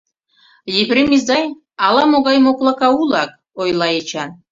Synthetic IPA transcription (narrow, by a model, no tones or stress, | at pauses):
jeβɾemizd̪ɑj | ɑlˠɑmoɣɑjmoklˠɑkɑulˠɑk̚ | ojlˠɑjet͡ɕʰɑn